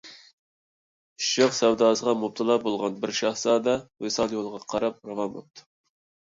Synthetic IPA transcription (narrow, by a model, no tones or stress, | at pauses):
ʃɑqsɛwd̪ɑːsəʁɑmop̚t̪ʰɨlˠɑbolˠʁɑnbɪɾʃɑhsɑːd̪ɑwesɑlˠjolˠʁɑqʰɑɾɑp̚ɾɑvɑmo̰p̚t̪ʰu̥